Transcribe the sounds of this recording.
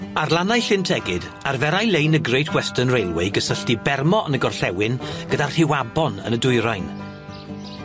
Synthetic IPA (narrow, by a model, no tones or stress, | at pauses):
arlˠanajɬɪntʰɛɡɪd | arvɛɾajlejnəɡrejtʰwɛstənrejlˠwejɡəsəɬtibɛrmɔʔənəɡɔrɬɛwɪnɡ̥ədar̥hɪwabɔnə̰nədʊjɾajn